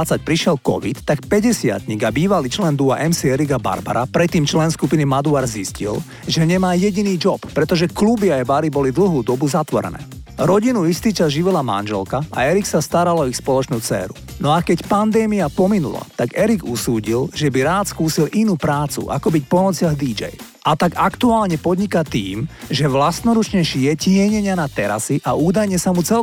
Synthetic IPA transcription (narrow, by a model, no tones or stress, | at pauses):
at͡sac̚pɾiʃɪɛlkɔ̰ʋit̪ːakpɛɟɛsɪa̰t̪ɲiɡabiːʋaliːt͡ʃlɛnd̪uaʔɛmsiɛɾiɡaba̰ɾba̰ɾapɾɛt̪ːiːmt͡ʃlɛnskupinimad̪uaɾziscḭl | ʒɛɲɛmaːjɛɟiniːd͡ʒɔppːɾɛt̪ɔʒɛklubiaɛbaɾibɔlid̪l̩ɦuːd̪ɔbuzat̪ʋɔɾɛ̰nɛ̰ː | ɾɔɟinuist̪iːt͡ʃazʒiʋilama̰nʒɛlkaa̰ɛɾiksast̪aɾalɔixspɔlɔt͡ʃnuːt͡sɛ̰ːɾṵnɔakɛcpand̪ɛːmiapɔminṵla̰t̪aɡɛɾiɡusuːɟilʒɛbiɾaːt̪skuːsilʔinuːpɾaːt͡sṵʔa̰kɔbic̚pɔnɔt͡sɪaɣd̪id͡ʒɛ̰j | ʔat̪aɡakt̪uaːlɲɛpɔd̪ɲikat̪ḭːmʒɛʋlast̪nɔɾut͡ʃɲɛʃijɛcɪɛɲɛɲɪanat̪ɛɾa̰siʔauːd̪ajɲɛsamut͡sɛl